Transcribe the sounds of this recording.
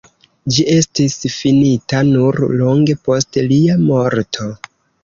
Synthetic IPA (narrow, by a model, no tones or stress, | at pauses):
d͡ʒiʔe̞stisfinitanuɾloŋɡe̞po̞stliamo̞ɾtʰo̞